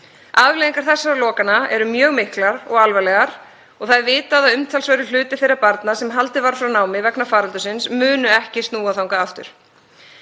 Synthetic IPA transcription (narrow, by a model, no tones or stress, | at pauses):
aðvleːðiŋkaɾ̥θɛsːaɾlɔːkanaɛ̰ɾʏmjœːɣmɪhklaɾɔɣalvɛlɛɣaɾ̥ | ɔɣθaðvɪːt̪aðaðʏmt̪ʰalsvœjɾʏlʏːt̪ɪθejɾːapaɾt̪nasɛmɦalt̪ɪvaɾ̥fɾawnaːwmɪvɛknafaːɾalt̪ʏsɪnsmʏːnʏɛhcɪst̪nuːaθawŋkaaft̪ʏ̰ɾ̥